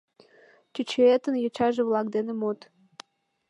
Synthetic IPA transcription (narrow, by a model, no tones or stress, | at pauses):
t͡ɕyt͡ɕeet̪ənjot͡ɕɑʒevlɑkd̪enemot̪